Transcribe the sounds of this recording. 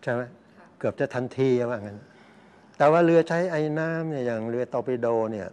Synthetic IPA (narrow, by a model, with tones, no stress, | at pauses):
t͡ɕʰa˥˩jma˦˥j | kɯ˨˩əp̚t͡ɕa˨˩t̪ʰa˧nt̪ʰiː˧a˧waː˧˩ŋa˧˥n˧ | t̪ɛː˨˩waː˥˩ɾɯ˧ɐt͡ɕʰa˦˥˩jʔa˧jnaː˦˥mni˧˩jaː˨˩ŋlɯ˧ɐt̪ɔː˧pi˧doː˧ni˥˩ɐ